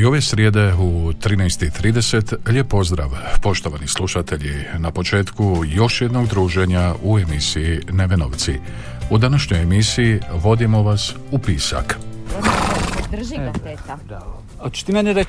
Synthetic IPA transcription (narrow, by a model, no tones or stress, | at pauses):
io̞ʋe̞sɾjed̪e̞ut̪ɾiːnɛjst̪it̪ɾiːd̪e̞se̞t̪ʎepːo̞zd̪ɾa̰ːʋpo̞ʃt̪o̞ʋanislˠuʃat̪e̞ʎinapo̞t͡ʃe̞ːt̪kujo̞ʃje̞d̪no̞ɡd̪ɾuːʒe̞ɲaue̞misiineʋe̞no̰ʋt̪si | ud̪anaʃɲo̞jemisijiʋo̞d̪imo̞ʋas | upiːsa̰k | ot͡ʃt̪imeneɾe